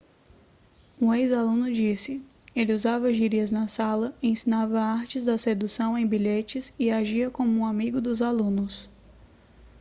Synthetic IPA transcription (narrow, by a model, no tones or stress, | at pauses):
ũejzalũnʊd͡ʒisɪ | elɪuzavɐʒiɾiɐznɐsalɐẽsĩnavɐaɾt͡ʃɪzd̪ɐsed̪usɐ̃w̃ẽj̃biʎet͡ʃɪsɪaʒiɐkõmʊũamiɡʊd̪ʊzalũnʊs